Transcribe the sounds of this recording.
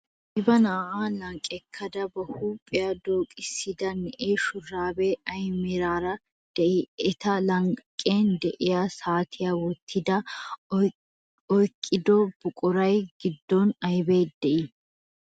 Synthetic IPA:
ʔɪbɐnaːʔaːlɐŋkʼɛkʰːɐd̪ɐbɐhuːpʼːɪjad̪oːkʼɪsːɪd̪ɐnɛʔeːʃʊraːbeɐjmɪɾaːɾɐ | d̪̥ɛɪɛt̪ɐlɐŋkʼːeːnd̪ɛʔɪjasaːt̪ʰɪjawɔt̪ʰːɪd̪ɐ | ɔjkʼːɪd̪ɔb̥ʊkʼʊɾɐjɡɪd̪ːɔnɐjbe̞ːd̪ɛʔɪ

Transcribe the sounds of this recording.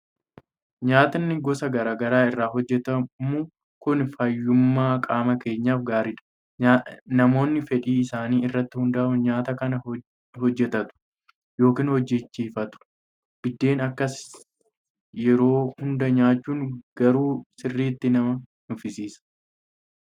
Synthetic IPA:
ɲaːt̪ɐnːɪɡɔsɐɡɐɾaːɡɐɾaːɪrːaːɦɔd͡ʒːɛt̪ɐmʊ | kʊnfɐjːʊmːaːkʼaːmɐke̞ːɲːaːfɡaːɾɪᶑɐ̥ | nɐmo̞ːnːɪfɛᶑiːɪsaːniːɪrːɐt̪ːɪhʊnd̪ɐɐmʊɲaːt̪ɐkɐnɐ | hɔd͡ʒːɛt̪ɐt̪ʊ̥ | jo̞ːkiːnhɔd͡ʒːɛt͡ʃːiːfɐt̪ʊ̥ | b̥ɪd̪ːe̞ːnɐkːɐs | jɛɾo̞ːhʊnd̪ɐɲaːt͡ʃːuːŋɡ̥ɐɾuːsɪrːiːt̪ːɪnɐmɐ | nʊfɪsiːsɐ̥

